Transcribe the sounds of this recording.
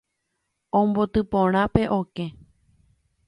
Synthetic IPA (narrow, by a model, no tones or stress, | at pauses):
õmbo̞t̪ɨpõɾ̃ãpe̞ʔoke̞